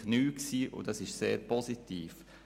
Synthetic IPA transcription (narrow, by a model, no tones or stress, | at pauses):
nyːksiːʔʊ̰dɑsɪʃseːɾpʰɔsitiːf